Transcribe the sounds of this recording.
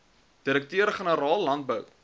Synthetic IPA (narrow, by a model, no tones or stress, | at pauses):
d̥iɾək̚tøəɾχənəɾɑːlˠːɐnt̚bəw